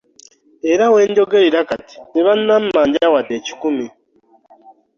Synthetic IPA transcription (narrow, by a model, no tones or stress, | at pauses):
eɾaweːɲɟoɡeɾiɾakati̥niβannam̩maːɲɟawateci̥kumi